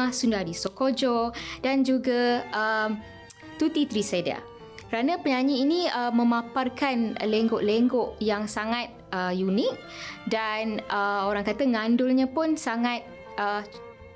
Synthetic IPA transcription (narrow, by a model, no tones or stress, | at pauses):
ahsundahdisokod͡ʒod̥and͡ʒuɡaʔəm | t̪ut̪it̪ɾiseda̰ | kəɾanãpəɲaɲiːniəmə̃maparkan̰leŋɡɔʔleŋɡɔʔjaŋsaŋat̪̚əjunik̚ | danəoɾaŋkat̪aŋãndʊlɲãpʊnsaŋat̪̚ | ə